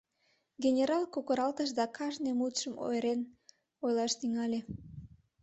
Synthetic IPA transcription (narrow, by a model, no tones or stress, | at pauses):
ɡʲenʲeɾɑlkokoɾɑlt̪əʃd̪ɑkʰɑʒnemut̪ʃəmo̰jɾen | ojlɑʃt̪yŋɑlʲe